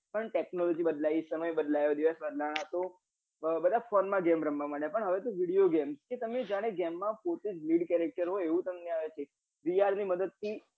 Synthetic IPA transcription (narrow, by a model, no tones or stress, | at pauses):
pəɳʈeknɔlɔd͡ʒibəd̪laisəməjbəd̪lajod̪iʋəsbəd̪laɽ̃ãt̪o | bəd̪ʱafɔnmãɡɛmɾəmbamaɽjapəɳɦəʋet̪oʋiɽijoɡɛmsket̪əmed͡ʒaɽ̃eɡɛmːãpot̪ed͡ʒliɽkɛɾek̚ʈəɾɦoeʋũt̪əmneaʋet͡ʃʰe | ʋiaɾniməd̪əd̪̚t̪ʰi